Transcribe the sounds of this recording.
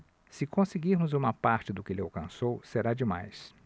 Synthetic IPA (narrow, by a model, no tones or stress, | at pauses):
sɪkõsɪɡiɾmʊzũmɐpaɾt͡ʃɪd̪ʊkɪelɪawkɐ̃sowseɾad͡ʒɪma̰js